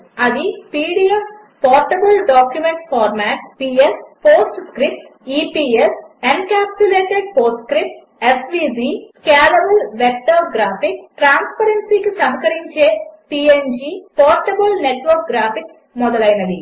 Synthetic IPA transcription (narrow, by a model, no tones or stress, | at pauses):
ɐd̪ipiːɽijes | pɔːɾʈɐbɐlɖaːkjumeɳʈpʰaːɾmaːʈpiːespoːsʈskɾip̚ʈiːpiːesenkaːp̚t͡ʃuleːʈeɖ̚poːɾskɾip̚ʈ | esʋiːd͡ʒiːkaːlɐbɐlʋek̚ʈaːɡɾaːpikʈɾaːnspɐɾeɳsikisɐɦɐkɐɾiɲt͡ʃe̞ːpiend͡ʒipɔːɾʈɐbɐlneʈʋɐɾk̚ɡɾaːpik | mɔd̪ɐlɐjnɐd̪i